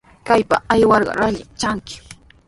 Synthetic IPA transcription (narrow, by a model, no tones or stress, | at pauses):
kajpa̰ajwɑɾɢɑ̰ɾaʎɪt͡ʃaŋkɪ̥